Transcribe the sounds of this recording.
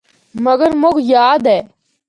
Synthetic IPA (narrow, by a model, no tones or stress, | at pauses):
məɡəɾmokjaːd̪ɛː